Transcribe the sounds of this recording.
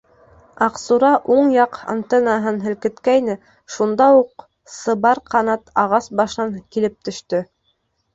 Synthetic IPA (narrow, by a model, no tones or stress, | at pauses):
ɑqsuɾɑʔuɴjɑqɑ̰nt̪ɤnɑɦɤnɦɘ̆lkɘ̆t̪kæjnɘ | ʃund̪ɑuq | sɤ̆βɑɾqɑnɑt̪ɑʁɑsbɑʃɑŋkilɘp̚t̪ɵ̆ʃt̪ɵ